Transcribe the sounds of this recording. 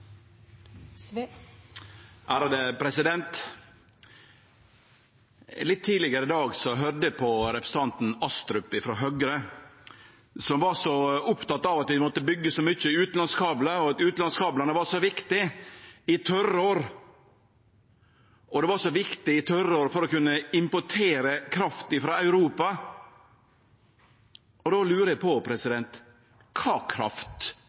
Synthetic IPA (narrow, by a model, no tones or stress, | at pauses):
ʔæːɾɑd̪əpʰɾɛsɪd̪ɛnt̪ | lɪt̪ʰːiːlɪɡəɾəɪd̪ɑːɡsɔɦœɾd̪əpʰɔɾɛpɾəsət̪ʰɑnt̪n̩ɑst̪ɾʉpːɪfɾɔɦœɡɾə | sɔmʋɑɾsɔʊpt̪ɑt̪ːɑʋɑt̪ʋɪmɔt̪ːəbʏɡːəsɔmʏçəʉːt̪n̩lɑnskʰɑːbləɔɑt̪ʉːt̪ɑnskʰɑːblɑnəʋɑɾʂɔʋɪkt̪ɪɪt̪ʰœɾoːɾ | ɔd̪ɛʋɑɾʂɔʋɪkt̪ɪɪt̪ʰœɾəoːɾfɔɾɔkʉnːəɪmpɔʈʰeːɾəkʰɾɑft̪ɪfɾoːɑʉɾuːpɑ | ʔɔd̪oːlʉːɾəjæpʰɔpʰɾɛsɪd̪ɛnt̪ | kʰɑːkʰɾɑ̰ft̪